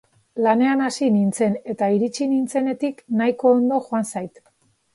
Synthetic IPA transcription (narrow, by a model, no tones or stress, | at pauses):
lane̞anasinint͡se̞ne̞t̪aiɾit͡ʃinint͡se̞ne̞t̪iknajko̞ːnd̪o̞ʝoansajt̪